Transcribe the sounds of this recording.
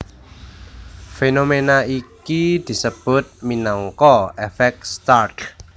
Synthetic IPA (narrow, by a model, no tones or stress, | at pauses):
fenomenaikid̪̥i̤səb̥ʊ̤t̪̚minɔŋkɔefɛk̚st̪arʈ